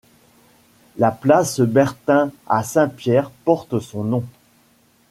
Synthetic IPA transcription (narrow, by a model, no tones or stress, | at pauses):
laplasbɛʁt̪ɛ̃a̰sɛ̃pjɛʁpɔʁt̪sɔ̃nɔ̃